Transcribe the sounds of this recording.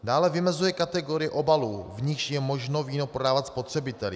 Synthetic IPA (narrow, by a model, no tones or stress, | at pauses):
daːlɛvɪmɛzujɛkat̪ɛɡo̞ɾɪjɛʔo̞baluːvɲɪxʃjɛmo̞ʒno̞viːnopɾo̞daːvat̪spo̞t̪r̝̥ɛbɪt̪ɛlɪ